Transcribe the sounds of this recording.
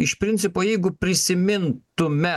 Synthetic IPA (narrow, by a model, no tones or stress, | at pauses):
ɪʃpʲɾʲɪnʲsʲɪpoːjɛɪɡʊpʲɾʲɪsʲɪmʲɪntt̪ʊmʲɛ